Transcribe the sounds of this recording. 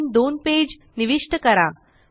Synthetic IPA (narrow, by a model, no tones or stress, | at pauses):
nd̪onped͡ʑ | niʋiʂʈəkəɾa